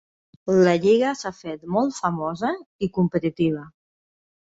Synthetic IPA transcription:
ləʎiɣəsafet̪mɔlˠt̪fəmɔzəikumpət̪it̪iβ̞ə

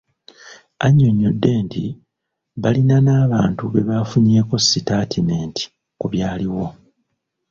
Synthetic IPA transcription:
aɲːoɲːodːe̞ːntḭ | βalinanaːβaːntuβe̞βaːfuɲe̞ːko̞sːitaːtʰineːntʰi̥ | kuβjaːliwo̞

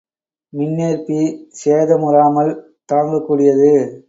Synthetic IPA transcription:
mɪnːeːɾpiseːðɐmʊɾaːmɐl | t̪aːŋɡɐkːuːɽɪjɐðɯ

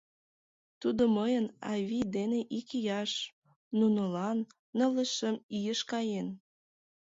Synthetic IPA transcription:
t̪ud̪oməjənɑβʲid̪eneʔikijɑʃ | nunolɑnː | ə̆ləʃəmijəʃkɑjen

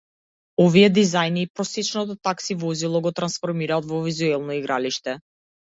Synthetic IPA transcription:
ɔviɛd̪izajniːpɾɔsɛt͡ʃnɔt̪̬ɔt̪aksivɔzilˠɔɡɔt̪ɾansfɔɾmiɾaːt̪vɔvizuɛlˠnɔiɡɾaliʃt̪ɛ

